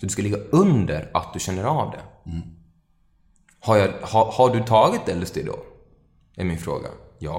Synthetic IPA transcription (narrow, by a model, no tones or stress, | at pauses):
sɔd̪ɵskalɪɡːaɵnd̪əɾat̪̚d̪ɵɕɛnːəɾɑvd̪ɛ̰ | haɾjɑhahaɖɵt̪ʰɑːɡɪt̪̚d̪ɛlːɵst̪ɪd̪ɔ̰ | ɛɾmɪnfɾo̰ːɡa̰ | jɑː